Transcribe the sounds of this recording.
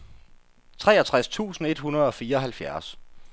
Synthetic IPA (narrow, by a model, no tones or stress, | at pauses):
t͡sʰʁɛ̰ːɐt͡sʰʁast͡sʰṵːsn̩e̝d̥hunɐð̞ˠɒ̽fiːɐɒ̽ɦælfjæɐ̰s